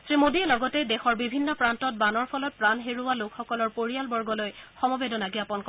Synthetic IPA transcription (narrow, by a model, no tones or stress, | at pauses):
sɹimodiɛlɔɡɔtɛdɛxɔɹbibʱinːɔpɹantɔt̚banɔɹpʰɔlɔt̚pɹanɦeɹuwalokxɔkɔlɔɹpoɹijalbɔɹɡɔlojxɔmɔbedɔnaɡiapɔnkɔ